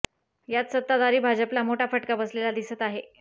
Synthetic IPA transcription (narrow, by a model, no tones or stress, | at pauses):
jat̪sət̪ːad̪aɾiːbʱad͡ʑəplamoʈʰafəʈkabəslelad̪isət̪aɦe